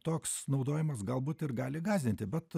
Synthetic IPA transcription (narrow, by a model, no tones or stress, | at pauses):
t̪oːksnɐʊd̪oːjɪmɐsɡɐlˠbuːt̪ɪrɡɑːlʲɪɡɑːzʲd̪ʲɪnʲt̪ʲɪbʲɛt̪